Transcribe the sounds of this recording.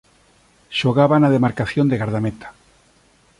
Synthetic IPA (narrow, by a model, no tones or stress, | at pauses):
ʃoɣaβanaðemaɾkaθjond̪eɣaɾðamet̪ḁ